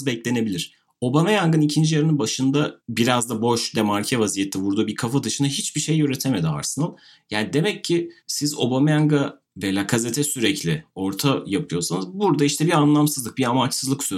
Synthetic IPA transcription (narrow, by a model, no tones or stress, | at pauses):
zbɛclʲe̞ne̞bilʲiɾ̥ | o̞bamajaŋɡɯnicʰind͡ʒijaɾɯnɯnbaʃɯnd̪abiɾazd̪abo̞ʃd̪ɛmaɾcʰɛvazijet̪ʰːɛbuɾd̪uːbiɾkʰafad̪ɯʃɯnaɦit͡ʃbiʃe̞jøɾet̪ʰeme̞d̪ia̰ɾsɯnalˠ | jaːnid̪e̞mɛcʰːɪsizo̞̰bamjaŋɡa | vejlʲaːɡaze̞t̪ʰɛsyɾɛclʲɪo̞ɾt̪ʰajapʰɯjo̞sanɯzbuɾd̪aiʃt̪ʰɛbianlˠamsɯzlˠɯk̚biamat͡ʃsɯzlˠɯksø